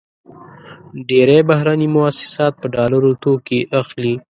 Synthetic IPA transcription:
ɖeɾebaɦɾanimʊasɪ̥sɑt̪̚pəɖɑlaɾot̪okeʔaxli

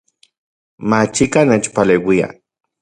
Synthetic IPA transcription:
mat͡ʃikaneːt͡ʃpaleːwia̰

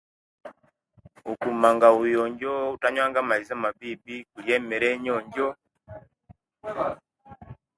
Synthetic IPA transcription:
ukumaŋɡaujɔɲɟɔutaɲwaŋɡamaizamabibikujɛmɛɾɛɲɔɲɟɔ

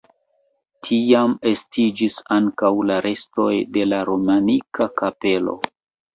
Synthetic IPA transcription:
tʰiame̞stʰid͡ʒisaŋkawlaɾʔe̞sto̞jde̞laɾo̞manikʰakape̞lo̞̰

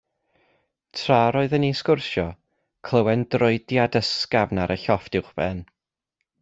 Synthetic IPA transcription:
tʰraɾɔɨðəniskʊrʃjɔ | kʰlˠəwɛndrʊɨdjadəskavnaɾʔəɬɔfd̥ɪwχb̥ɛn

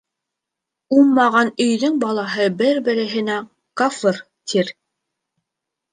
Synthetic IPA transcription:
umːɑʁɑnɵ̆jðɵŋbɑlˠɑɦɤbɘɾbɘ̆ɾɘ̆ɦɘ̆næŋ | kafɤr | t̪ʰiɾ

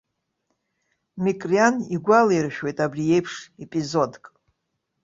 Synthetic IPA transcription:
mikʼrianiɡʷalairʃᶣwejtʼabrije̞jpʰʂepʼizo̞dkʼ

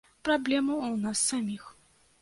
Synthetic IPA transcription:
pɾablʲɛmuunasːamʲix

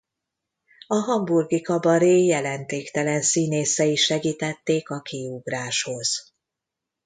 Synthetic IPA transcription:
ɒɦɒmburɡikɒbɒɾeːjɛlɛnt̪eːkt̪ɛlɛnsiːneːsɛiʃɛɡiːt̪ɛt̪ːeːkɒkiuɡraːʃho̞z̥

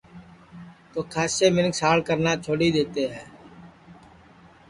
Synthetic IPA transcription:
t̪oːkʰaːseːmɪnksaːɽkəɾnaːt͡ʃʰoːɽiːd̪eːt̪eːɦɛ̃ː

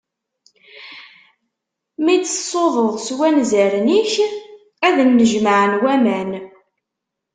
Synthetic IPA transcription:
mid̪əsˤoðˤəʁswænzəɾniç | æðənːəʒməʕənwæmæn

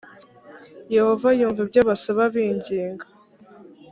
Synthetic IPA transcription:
je̞ho̞vajuːɱvibɟaβasaβaβiːɲɟiːŋɡḁ

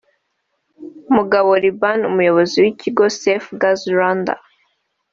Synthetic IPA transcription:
umuɡaβoɾibanumujo̞βoziwiciɡo̞sefɡazɾanda̰

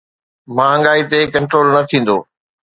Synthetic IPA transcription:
mãːɦə̃ŋɡaːit̪ekɐ̃ɳʈɾoːlnɐt̪ʰĩːn̆d̪o̰ː

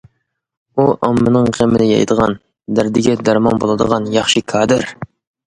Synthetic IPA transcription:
uʔɑmːɨnɨŋqemɪnɪjɑ̰jd̪əʁɑ̰n | d̪æɾd̪ɪɡʲɛd̪ɑɾmɑnbolˠɨd̪əʁɑnjɑχʃɨkʰɑːd̪ɨɾ

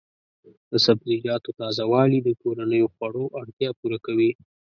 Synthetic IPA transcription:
d̪̥əsabd̪ilɑt̪ot̪ɑzawɑlid̪əkoɾanəjoxwaɽoʔaɽt̪jɑpuɾakawi

